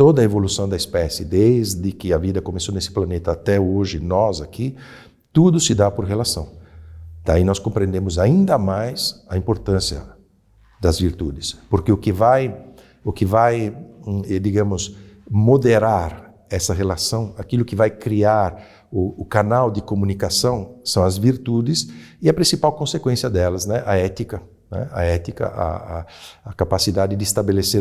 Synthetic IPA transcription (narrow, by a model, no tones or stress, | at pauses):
t̪od̪ɐevolusɐ̃w̃d̪ɐispɛsɪd̪ezd̪ɪkɪɐvid̪ɐkomesonesɪ̥planet̪ɐːt̪ɛoʒɪnɔzakʰi | t̪ud̪ʊsɪd̪apoɾɦelasɐ̃w̃d̪̥ainɔskõmpɾẽnd̪ẽmʊzaĩnd̪ɐmajzɐĩmpoɾt̪ɐ̃sjɐ̰ | d̪ɐzviɾt̪ud̪ɪspoɾkeʊkɪvaj | ʊkɪvaj | ɛd̪iɡɐ̃mʊsmod̪eɾaɾ | ɛsɐɦelasɐ̃w̃akilʊkɪvajkɾiaɾ | ʊːkanawd̪ɪkomũnikasɐ̃w̃sɐ̃w̃ɐzviɾt̪ud̪ɪsɪɐpɾĩsipawkõsekwẽsiɐd̪ɛlɐznɛʔɐɛt̪ikɐ | nɛ̰ɐɛt̪ikɐ̰ʔɐ̰ː | kapasid̪ad̪ɪd̪ɪːst̪abeleseɾ